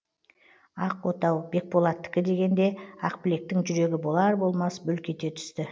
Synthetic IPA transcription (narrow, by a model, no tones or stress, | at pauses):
ɑqwot̪ɑwbe̞k̚po̞lˠɑt̪ːɪ̥kʲɪd̪e̞ɡʲe̞nd̪e̞ɑqpɪle̞k̚t̪ɪŋʒʏɾe̞ɡʲɪbo̞lˠɑɾbo̞lˠmɑsbʏlkʲe̞t̪e̞t̪ʰʏ̥st̪ɪ